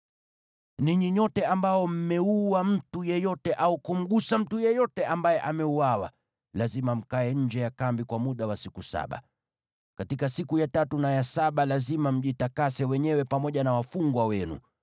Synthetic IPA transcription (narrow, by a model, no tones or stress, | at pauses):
niɲiɲɔtɛambaɔm̩mɛuwam̩tujɛjɔtɛʔaukum̩ɠusam̩tujɛjɔtɛʔambajɛʔamɛuawa̰ | lazimam̩kaɛɲ̩d͡ʒɛjakambikwamuɗawasikusa̰ɓa̰ | katikasikujatatunajasaɓalazimam̩ʄitakasɛwɛɲɛwɛpamɔʄanawafuŋɡwawɛnṵ